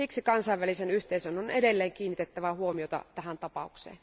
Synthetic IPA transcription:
iksikɑnsɑiʋælisenyht̪eisønonʔedelːeːŋkiːnːit̪et̪ːæʋæhuomiot̪ɑ̰t̪æhænt̪ɑpɑuksḛːn

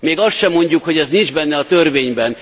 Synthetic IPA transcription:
meːɡɒst̪ʃɛmːo̞ɲɟukho̞ɟɛznind͡ʒbɛnːɛɒt̪ørveːɲbɛn

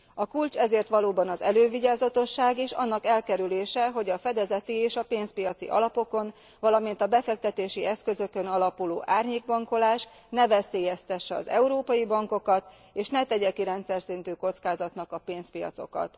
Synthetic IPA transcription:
ɒkult͡ʃɛzeːrt̪ʋɒloːbɒnɒzɛløːviɟaːzɒt̪o̞ʃːaːɡiʃɒ̰nːɒkɛlkɛɾyleːʃɛɦo̞ɟɒfɛd̪ɛzɛt̪ieːʃɒpeːnspijɒt̪sḭʔɒ̰lɒpo̞ko̞n | ʋɒlɒmin̪t̪ɒbɛfɛk̚t̪ɛt̪eːʃiɛskø̞zø̞kø̞nɒlɒpulo̰ːʔaːrɲeːɡ̚bɒŋko̞laːʃ | nɛvɛseːjɛst̪ɛʃːɛɒ̰zɛuɾoːpɒjibɒŋko̞kɒt̪ | eːʃnɛt̪ɛɟɛkiɾɛnt̪sɛrsint̪yːko̞t̪skaːzɒt̪nɒkɒpeːnzpijɒ̰t̪so̞̰kɒ̰t̪

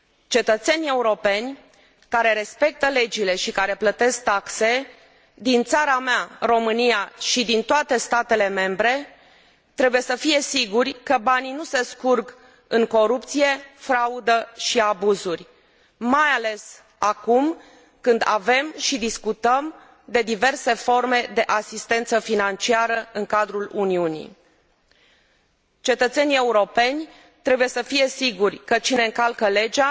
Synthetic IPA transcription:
t͡ʃe̞t̪ət̪se̞nʲe̞uɾo̞pe̞nʲ | kaɾe̞ɾe̞spe̞k̚t̪əle̞d͡ʒile̞ʃikaɾe̞plət̪e̞sk̚t̪akse̞ | d̪int̪saɾameaɾo̞mɨnijaʃid̪int̪oat̪e̞st̪at̪e̞le̞me̞mbɾe̞ | t̪ɾe̞buje̞səfije̞siɡurʲkəbaninuse̞skurɡ | ɨŋko̞ɾup̚t̪sije̞fɾaud̪əʃiabuzurʲ | majale̞s | akum | kɨnd̪a̰ve̞mʃid̪iskut̪əm | d̪e̞d̪ive̞rse̞fo̞rme̞d̪e̞ʔasist̪e̞nt̪səfinant͡ʃiaɾəɨŋkad̪ɾuluniunḭ | t͡ʃe̞t̪ət̪se̞nie̞uɾo̞pe̞nʲ | t̪ɾe̞buje̞səfije̞siɡurʲkət͡ʃine̞ɨŋkalkəle̞d͡ʒa

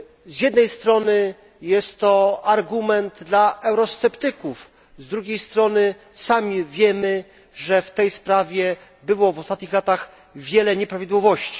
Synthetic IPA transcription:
zjɛd̪nɛjst̪ɾɔnɘ | jɛst̪ːɔaɾɡumɛnd̪d̪laɛwɾɔst̪sɛpt̪ɘkuf | zd̪ɾuɡʲejst̪ɾɔnɘ | samʲivʲjɛmɘ | ʐɛft̪ɛjspɾavʲjɛ | bɘwɔvɔst̪at̪ɲixlat̪aɣ | vʲjɛlɛɲɛpɾavʲid̪wɔvɔɕt͡ɕi̥

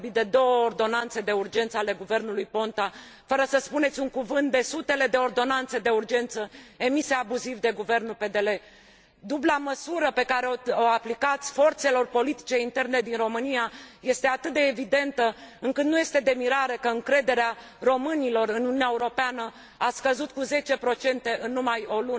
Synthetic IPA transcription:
bid̪e̞d̪o̞wəord̪o̞nant̪se̞d̪e̞urd͡ʒe̞nt̪səale̞ɡuve̞rnulujpo̞nt̪a | fəɾəsəspune̞t̪sʲuŋkuvɨnt̪̚d̪e̞sut̪e̞le̞d̪e̞o̞rd̪o̞nant̪se̞d̪e̞urd͡ʒe̞nt̪səe̞mise̞abuzivd̪e̞ɡuve̞rnulpe̞d̪e̞le̞ | d̪ublaməsuɾəpe̞kaɾe̞ooaplikat̪sʲfo̞rt̪se̞lo̞rpo̞lit̪i̥t͡ʃe̞int̪e̞rne̞d̪inro̞mɨnijaje̞st̪e̞at̪ɨt̪̚d̪eːvid̪e̞nt̪əɨŋkɨt̪nuje̞st̪e̞d̪e̞miɾaɾekəɨŋkɾe̞d̪e̞ɾea | ro̞mɨnilo̞rɨnununaeuɾo̞peanə | askəzut̪̚kuze̞t͡ʃe̞pɾo̞t͡ʃe̞nt̪e̞ʔɨnːumajo̞lunə

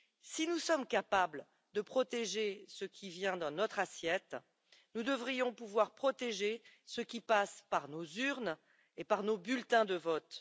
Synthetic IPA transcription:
sinusɔmkapablə | d̪əpχɔt̪eʒesəkʲʰivjɛ̃d̪ɑ̃nɔt̪χasjɛt̪ | nud̪əvʁijɔ̃puvwaʁpχɔt̪eʒesəkʲipaspaʁnozyʁn | epaʁnobylt̪ɛ̃d̪əvɔt̪

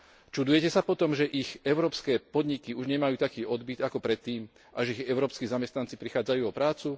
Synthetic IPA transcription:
t͡ʃud̪ujɛcɛsapɔt̪ɔmʒɛʔixɛʊɾɔːpskɛːpɔd̪ɲikiuʒɲɛmajuːt̪akiːʔɔd̪bid̪akɔpɾɛt̪ːiːm | ʔaʒɛiɣɛʊɾɔːpskiːzamɛst̪nant͡sipɾixaːd͡zajuːɔpɾaːt͡su

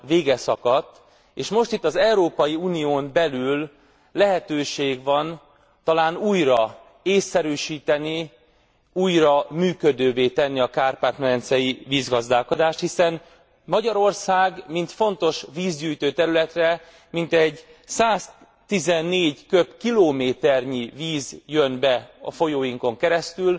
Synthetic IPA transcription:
veːɡɛsɒkɒt̪ː | eːʃmo̞ʃt̪it̪ːɒzɛuɾoːpɒjiuːnijoːmbɛlyl | lɛɦɛt̪øːʃeːɡvɒn | t̪ɒlaːnuːjrɒ | eːsːɛɾyːʃiːt̪ɛni | uːjrɒmyːkød̪øːveːt̪ɛnːiɒkaːrpaːt̪mɛɛnt̪sɛjiviːzɡɒzd̪aːlko̞d̪aːʃt̪hisɛn | mɒɟɒɾo̞rsaːɡmint̪fo̞nt̪o̞ʃʋiːzɟyːjt̪øːt̪ɛɾylɛt̪rɛ | mint̪ɛɟsaːs | t̪izɛnːeːɟkøbkiloːmeːt̪ɛrɲiviːzjønbɛɒ̰fo̞joːjiŋko̞ŋkɛɾɛst̪yl

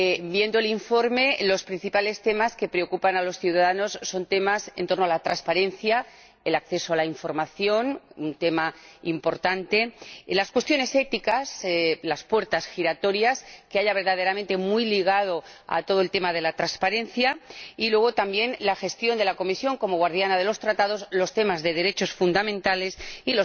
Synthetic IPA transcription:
bje̞nd̪oeliɱfo̞ɾme̞lo̞spɾin̟θipale̞st̪e̞maske̞pɾe̞okupanalo̞sθjuwðaðano̞sːo̞nt̪e̞masḛnt̪o̞ɾno̞alat̪ɾanspaɾe̞nθja | elak̚θe̞soalaiɱfo̞ɾmaθjo̞nunt̪e̞maimpo̞ɾt̪ant̪e̞laskwe̞st̪jo̞ne̞se̞t̪ikaslaspwe̞ɾt̪asxiɾat̪o̞ɾjaskeaʎaβ̞eɾðaðe̞ɾamẽnt̪e̞mwujliɣ̞að̞o̞a̰t̪o̞ð̞oe̞lt̪emað̞e̞lat̪ɾanspaɾe̞n̟θjailweɣ̞o̞t̪ambje̞nlaxe̞st̪jo̞nd̪e̞lako̞misjo̞ŋko̞mo̞ɣwaɾð̞janað̞e̞lo̞st̪ɾat̪að̞o̞slo̞st̪e̞mazðe̞ðe̞ɾe̞t͡ʃo̞sfund̪amẽ̞nt̪ale̞silo

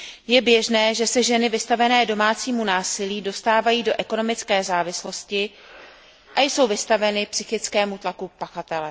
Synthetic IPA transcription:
jɛbjɛʒnɛːʒɛsɛʒɛnɪvɪst̪avɛnɛːdo̞maːt͡siːmunaːsɪliːdo̞st̪aːvajiːdo̞ʔɛko̞no̞mɪt͡skɛːzaːvɪslo̞scɪ | ʔajso̞wvɪst̪avɛnɪpsɪxɪt͡skɛːmut̪lakupaxat̪ɛlɛ

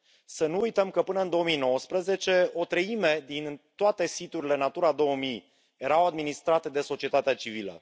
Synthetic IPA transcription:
sənuujt̪əmkəpɨnəɨnd̪o̞omijno̞wəspɾəze̞t͡ʃe̞o̞t̪ɾəime̞d̪int̪oat̪e̞sit̪uɾʲile̞nat̪uɾad̪o̞wəmij | je̞ɾawad̪minist̪ɾat̪e̞d̪e̞so̞t͡ʃie̞t̪at̪eat͡ʃivilə̰

